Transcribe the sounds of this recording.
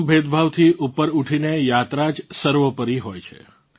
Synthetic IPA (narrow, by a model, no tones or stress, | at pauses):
bʱed̪bʱaʋt̪ʰiʔupːəɾuʈʰinejat̪ɾad͡ʒsəɾʋəpəɾiɦojt͡ʃʰḛ